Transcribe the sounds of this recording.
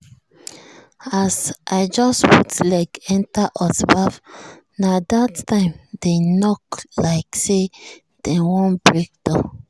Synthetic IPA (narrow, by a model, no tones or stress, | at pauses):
asʔaɪd͡ʒɔstputlaɪkɛ̃ntaʔɔtbaf | nadattãɪ̃mdenɔklaɪkse | d̥ɛwɔ̃nbɹek̚d̥ãn